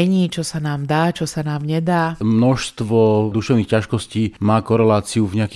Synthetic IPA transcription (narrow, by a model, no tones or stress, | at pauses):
ɛɲiːt͡ʃɔsanaːmd̪aːt͡ʃɔsanaːmɲɛd̪aːmnɔʃst̪ʋɔd̪uʃɛʊnixcaʃkɔsciːmaːkɔɾɛlaːt͡siuvɲɛakː